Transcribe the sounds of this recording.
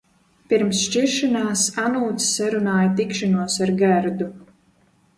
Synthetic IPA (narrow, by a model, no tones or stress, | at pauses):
piɾmsʃt͡ʃiɾʃanaːsanuːt̪ssaɾunaːjat̪ikʃanuɔsaɾɡæɾd̪u